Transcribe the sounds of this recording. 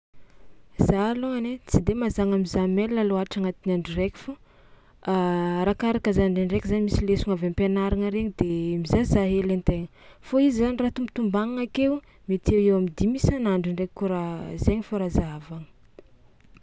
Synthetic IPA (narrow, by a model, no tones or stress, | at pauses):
z̥aloŋanet͡sid̪emazaŋamizamelːaloaʈ͡ʂaŋat̪inaɳɖ͡ʐurekʲu̥fu | ɾakaɾakəzaɳɖ͡ʐenrekʲizaɲimisilesuŋavempenaɾaŋəɾeɲid̪̥emizazaɦelent̪eŋə | foizizanirat̪umpit̪umbaŋaŋakew | met̪ewewamid̪imisanaɳɖ͡ʐiɳɖ͡ʐekuɾazeɲifoɾazaavaŋə̥